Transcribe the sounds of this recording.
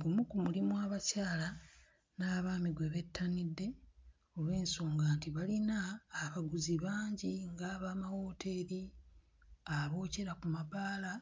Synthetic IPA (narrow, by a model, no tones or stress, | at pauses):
ɡumukumulimwaːβacaːla | naːβaːmiɡwe̞βe̞tːanidːe̞ | o̞lwe̞ːnsoːŋɡaːntiβalinaːβaɡuziβaːɲɟiŋɡaːβaːmawo̞ːtʰe̞ɾi | aβo̞ːce̞ɾakumabaːla